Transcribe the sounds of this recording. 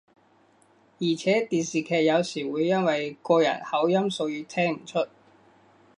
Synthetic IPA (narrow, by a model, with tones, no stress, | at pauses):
jiː˨˩t͡sʰɛː˨˥t̪iː˨˧nsiː˨kʰɛː˧k̚jɐ˨˧wsiː˨˩wuː˨˧jːɐ˥nwɐ˨jkɔː˧jɐ̰˨˩n̚hɐ˨˥wjɐ˥mso˧wjyː˧t̪ʰɛː˥ŋm̩˨˩t͡ʃʰɵ˥t̚